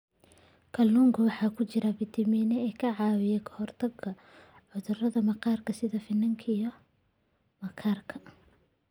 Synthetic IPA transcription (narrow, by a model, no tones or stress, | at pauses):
kʰɐlnuːŋkʰɐwɑħɑːkʰʊt͡ʃɪɾɐbɪt̪ʰɪmiːnɛɛːkʰɐʕɑːwɪjɛkʰɐ̥hɔrt̪ʰɐɡɐ | ʕʊðʊrɐðɐmɐqɑːrkʰɐsɪðɐfɪnːɐŋkʰijɔ | mɐkʰaːrkʰɐ̥